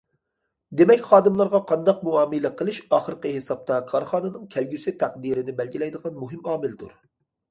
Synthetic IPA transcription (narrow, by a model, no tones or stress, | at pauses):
d̪emɛkʲχɑːd̪ɨmlˠɑɾʁɑqʰɑnd̪ɑq̚muɑːmɨlɛqʰəlˠɨʃɑːχəɾqəɦesɑp̚t̪ɑkʰɑɾχɑːnɨnɨŋkʲʰɛlɡʲysɪt̪ʰæqd̪iɾɪnɪbɛlɡʲilɛjd̪əʁɑnmuɦɪmɑːmɪld̪ṵɾ